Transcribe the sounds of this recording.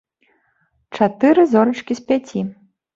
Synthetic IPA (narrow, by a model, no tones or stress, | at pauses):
t͡ʂat̪ɨɾɨzɔɾɐt͡ʂkʲispʲat͡sʲi